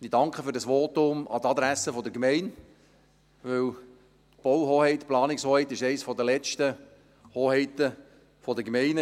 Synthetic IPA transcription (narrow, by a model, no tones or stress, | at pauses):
idɑŋkχəfʏːɾdɑsʋoːt̪ʊmɑ̰t̪ɑd̪ɾæsəfɔd̪əɾkmɛɪn | ʋɵw | t̪b̥ɔwɦoːhɛɪt̪plɑːnɪkshoːhɛɪt̪ɪʃɛɪsfɔd̪əlɛt͡ʃtə | hoːhɛɪt̪ə | fɔd̪əkmɛɪnə